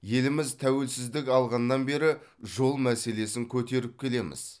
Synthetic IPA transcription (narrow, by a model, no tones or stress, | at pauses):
je̞lɪmɪzt̪ʰæwe̞lsɪzd̪ɪkʲɑlˠʁɑnːɑnbe̞ɾɪʒo̞lˠmæse̞le̞sɪŋkʲʰɵt̪e̞ɾɪp̚kʲʰe̞le̞mɪ̰z̥